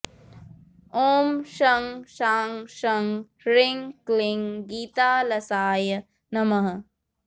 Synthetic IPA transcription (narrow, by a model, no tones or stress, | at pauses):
oːmʃɐŋʃaːŋʃɐŋ | ɾiŋkliŋɡiːt̪aːlɐsaːjɐ | nɐmɐɦɐ̆